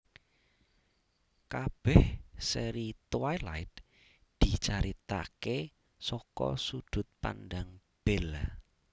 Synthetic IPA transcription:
kab̥ɛhsɛɾit̪wajlaɪt̪̚ | d̪̥it͡ʃaɾit̪a̰ke | sɔkɔ̰sud̪̥ʊ̤t̪̚pa̰ndaŋ | b̥ɛl

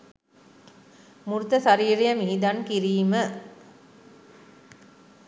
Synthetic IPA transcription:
muɾut̪əsaɾiːɾijəmiɦid̪ankiɾiːmə

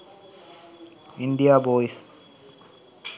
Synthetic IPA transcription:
ind̪ijaːboːis

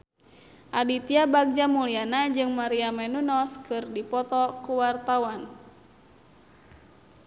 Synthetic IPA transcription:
ʔadit̪iabaɡ̚d͡ʒamulianad͡ʒɨŋmaɾiamɛnunɔskʰɨrdipɔt̪ɔkuwart̪awan

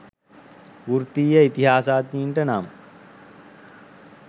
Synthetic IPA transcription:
uɾt̪iːjəit̪iɦaːsaːt̪iːɳʈənamə

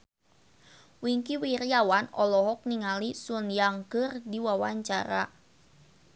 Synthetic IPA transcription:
wiŋkiwirjawanɔ̰lɔɦɔk̚niŋalisunjaŋkɨrdiwawaɲt͡ʃaɾa

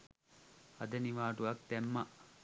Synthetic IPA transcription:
ɐd̪ɐniʋaːɖuɐk̚t̪emːɐʔ

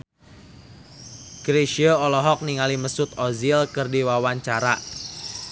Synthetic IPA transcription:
ɡ̥ɾeʃiəɔlɔɦɔk̚niŋaliməsʊt̪̚ɔzilkɨrdiwawaɲt͡ʃaɾa

